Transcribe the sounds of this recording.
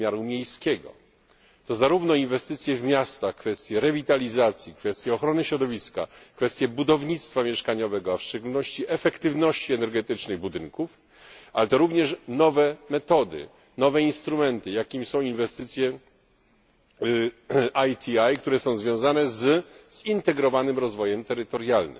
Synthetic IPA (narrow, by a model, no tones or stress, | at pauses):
mʲjaɾumʲjejskʲɛɡɔ̰ | t̪ɔzaɾuvnɔinvɛst̪ɘt̪sʲjɛvmʲjast̪axkfɛst̪ʲjɛɾɛvʲit̪alʲizat̪sʲjikfɛst̪ʲjɛɔxɾɔnɘɕɾɔd̪ɔvʲiska̰kfɛst̪ʲjɛbud̪ɔvɲit̪st̪famʲjɛʂkaɲɔvɛɡɔafʂt͡ʂɛɡulnɔɕt͡ɕiʔɛfɛkt̪ɘvnɔɕt͡ɕiɛnɛɾɡɛt̪ɘt͡ʂnɘbud̪ɘŋkuf | alɛt̪ɔɾuvɲɛʂnɔvɛmɛt̪ɔd̪ɘ̰ | nɔvɛinst̪ɾumɛnt̪ɘjakʲimsɔ̃w̃invɛst̪ɘt̪sʲjɛ | ajt̪ʲʰiajkt̪uɾɛsɔ̃w̃zvʲjɔ̃w̃zanɛzz̥int̪ɛɡɾɔvanɘmɾɔzvɔjɛmt̪ɛɾɘt̪ɔɾjalnɘ̰m